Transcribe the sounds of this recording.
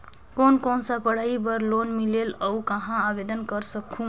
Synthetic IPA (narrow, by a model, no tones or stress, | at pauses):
koːnkoːnsapəɽ̤aibəɾlonmileləwkəɦãaʋed̪ənkəɾsəkʰũ